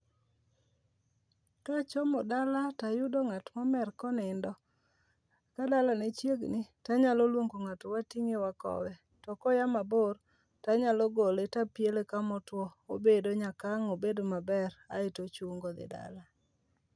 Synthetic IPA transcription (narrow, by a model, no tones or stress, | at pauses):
kat͡ʃɔmɔdalatajʊdoŋatmɔmɛrkɔnɪndɔ | kadalanet͡ʃjeɡnɪtaɲalolwoŋɡoŋatowatiŋewakɔ̰wɛ | tɔkɔjamabor | taɲalɔɡoletapjelekamɔtwɔobedoɲakaŋobedomabɛɾa̰ɪtot͡ʃuŋɡod̪ɪ̰da̰la